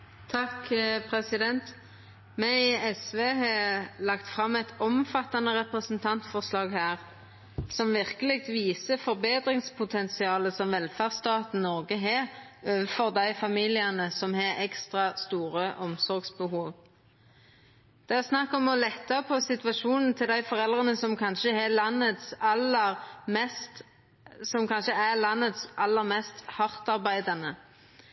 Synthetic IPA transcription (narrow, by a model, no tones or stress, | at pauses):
t̪ʰɑkpʰʁɛsɪd̪ɛnt̪ | mɛɛsʋeːɦɑːlɑkt̪fʁɑmːɛt̪ʰɔmfɑt̪ːɑnəʁɛpʁəsnt̪ʰɑnt̪fɔʁslɑːɡhæːʁ | sɔmʋɪʁkəlɪk̚t̪ʋiːsəfɔʁbeːd̪ʁɪŋspʰʊt̪ʰɛnsɪɑːləsɔmʋɛlfæːʁst̪ɑːt̪n̩nɔʁɡəɦeːʁøːʋəfɔʁd̪æɪfɑmiːlɪənəsɔmhɑɛkst̪ʁɑst̪uːʁəʔɔmsɔʁɡsbəhuːʋ | d̪̥ɛæʁsnɑkːɔmɔlɛt̪ːɑpʰɔsɪt̪ʋɑʃuːnn̩t̪ʰɪld̪æɪfɔʁɛld̪ʁənəsɔmkʰɑnʃəhɛlɑnːət̪sɑləʁmɛst̪ | sɔmkʰɑnʃəælɑnːət̪sʔɑlːəʁmɛst̪hɑʁt̪ɑʁbæɪd̪ɑnə